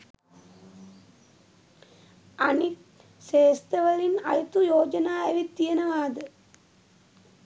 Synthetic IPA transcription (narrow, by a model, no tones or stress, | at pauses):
ɐni | seːst̪ɐʋɐɭinɐ̰jɐt̪ːujoːd͡ʒɐnaːɐʋit̪ːijɐnɐʋaːd̪ɨ